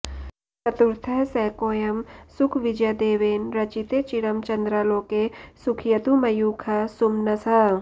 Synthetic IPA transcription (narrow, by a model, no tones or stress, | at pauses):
sɐt̪uɾt̪ʰɐsɛːkoːjɐmsʊkʰʋɪd͡ʒɐd̪eːʋeːnɾɐt͡ʃit̪et͡ʃiɽɐmt͡ʃɐ̃nd̪ɾaːlõːkesʊkʰjɐt̪umɐjuːkʰɐsʊmnɐsɐ